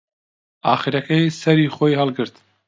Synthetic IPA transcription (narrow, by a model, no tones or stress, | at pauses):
aːχiɾɐkʰɛjsɛɾiːχoːjhɑlˠɡɨɾt̪